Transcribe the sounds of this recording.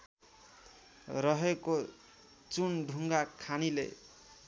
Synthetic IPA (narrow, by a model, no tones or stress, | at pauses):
rʌɦeko | t͡sunɖʱuŋɡakʰanilḛ